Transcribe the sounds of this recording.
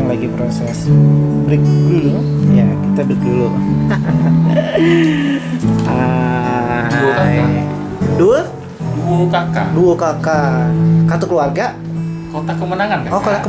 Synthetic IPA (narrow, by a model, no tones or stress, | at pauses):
ŋlaɡipɾosɛsbɾɪk̚filŋjakit̪abikilʊ | a | duaa | duə | duokakaduokakakat̪ukəluarɡa | kot̪akəmənaŋankaokot̪akə